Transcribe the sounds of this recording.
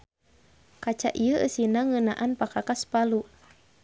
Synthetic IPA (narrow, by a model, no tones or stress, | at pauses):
kat͡ʃa̰ʔiəʔə̰sinaŋənaʔanpakakaspalu